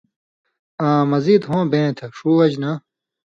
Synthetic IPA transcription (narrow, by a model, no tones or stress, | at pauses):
ãːmɐziːd̪ɦõːbẽːt̪ʰɐʂuːwɐd͡ʑnɐ